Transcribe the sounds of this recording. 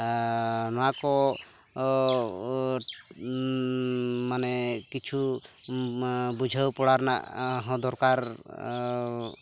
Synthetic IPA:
nɔwakɔ | manɛkit͡ʃʰu | bud͡ʒʱawpɔɽaɾna̰ʔɦɔ̃d̪ɔɾkaɾ

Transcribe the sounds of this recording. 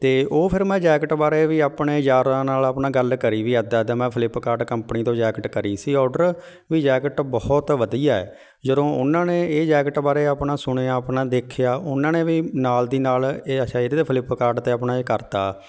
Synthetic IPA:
t̪eːʔoːpʰɪɾmɛ̃ːd͡ʒɛːkəʈbaːɾeːʋiːaːpɳeːd͡ʒaːɾãːnaːləpnãːɡəlkəɾiːʋiːɛd̪aːd̪ãːmɛ̃ːpʰəlɪpːkaːɾɖkəmpniːt̪õːd͡ʒɛːkəʈkəɾiːsiːɔːɖəɾ | ʋiːd͡ʒɛːkəʈbɔːɔt̪ʋəd̪ijaːɛ̰ː | d͡ʒəd̪õːʊnãːneːeːd͡ʒɛːkəʈbaːɾeːapnãːsʊɽ̃eːaːəpnãːd̪eːkʰɪjaːʔʊnãːneːʋiːnaːld̪iːnaːleːət͡ʃaːed̪t̪eːpʰɪlɪpːkaːɾɖt̪eːəpnaːeːkəɾt̪a̰ː

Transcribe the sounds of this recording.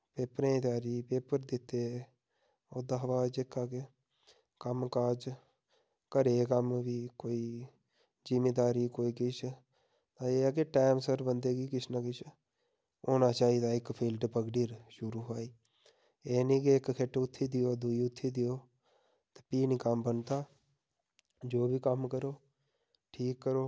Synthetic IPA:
peːpɾẽːd̪aːɾiːpeːpəɾd̪ɪt̪ːe | od̪aɦʋaːd͡ʒekːaːke | kəmkaːd͡ʒ | kəɾeːkəmʋiːkoːiː | d͡ʒimeːd̪aːɾiːkoːiːkɪt͡ʃʰ | t̪ãːeːakeʈeːmsəɾbənd̪eːɡiːkɪt͡ʃʰnãːkɪt͡ʃʰ | oːnat͡ʃaːid̪aːɪkpʰiːlɖpəɡɖiːɾʃʊɾuɦaːiː | eːnekieːkkʰeʈʊt̪ʰːid̪ɪjoːd̪uiʊt̪ʰːid̪ɪjoː | t̪e̥piːnikambənt̪aː | d͡ʒoːbʱiːkəmkəɾoː | ʈʰiːkːəɾoː

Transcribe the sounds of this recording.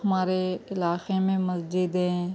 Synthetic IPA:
ɦɐmaːɾeɪlaːxemẽmɐsd͡ʒɪd̪ɦɛ̃ː

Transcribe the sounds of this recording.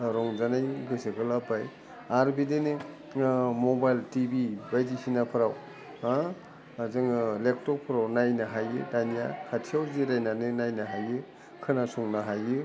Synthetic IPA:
ɾɔŋzanajɡɯseɡɯlapaj | aɾbidenɯ | mɔbajltibibajdisinapʰɯɾaw | a | zɯŋlek̚tɔpʰɯɾawnajnaɦajɯ̰danijakʰatʰijawziɾajnanɯnajnaɦajɯ | kʰɯnasuŋnaɦajɯ

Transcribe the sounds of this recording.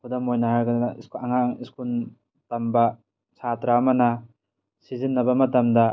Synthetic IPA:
kʰudamojnahaɾɡanasaŋaŋiskun | tɐmba | satɾamɐna | sizinːɐbɐmɐtɐmda

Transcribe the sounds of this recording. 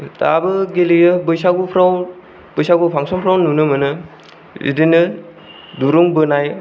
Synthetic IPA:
tabɯɡelijɯbɯjsaɡupʰɾaw | bɯjsaɡupʰaŋsɔmpʰɾawnunɯmɯnɯ | ḭdinɯ | duɾuŋbɯnaj

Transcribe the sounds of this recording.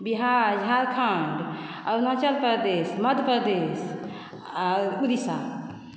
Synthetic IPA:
biɦad͡ʒɦaɾkʰəɳɖ | aɾnat͡ʃəlpəɾd̪esməd̪ʱpəɾd̪es | aud̪isa

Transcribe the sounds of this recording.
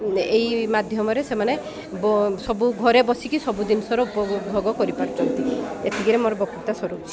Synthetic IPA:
ejmad̪ʱjɔmɔɾesemane | bɔsɔbuɡʱɔɾebɔsikisɔbud̪inɔsɔɾɔupɔbʱoɡɔkɔɾipaɾut͡ʃʰɔnt̪iḛt̪ʰiɡiɾemoɾɔbɔkit̪asɔɾu

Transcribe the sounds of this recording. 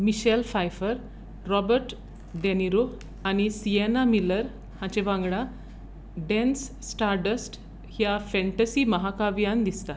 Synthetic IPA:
miɕɛlfajfəɾ | ɾɔbəɾʈ | ɖeniɾo | añisienamiləɾ | hãt͡ɕebãŋɡɽa | ɖɛ̃nsːʈaɾɖəsʈ | hjafɛ̃ɳʈəsiːməɦakaʋijãnd̪ist̪a

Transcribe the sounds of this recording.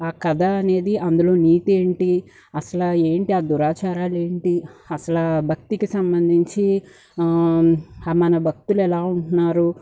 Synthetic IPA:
aːkɐd̪ʱɐːne̞ːd̪iʔɐnd̪ulo̞ːniːt̪eːɳʈi | ɐsɐlɐe̞ːɳʈiaːd̪uɾaːt͡ʃaːɾaːle̞ːɳʈiɐsɐlɐbʱɐk̚t̪ikisɐmbɐnd̪ʱiɲt͡ʃi | mɐnɐbʱɐk̚t̪uluɛlaːuɳunːaːɾu

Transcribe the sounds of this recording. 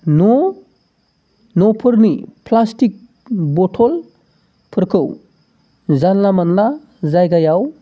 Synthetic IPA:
nɔ | nɔpʰɯɾnipʰlastik̚ | bɔtʰɔl | pʰɯɾkʰɯw | zanlamanla | zajɡajaw

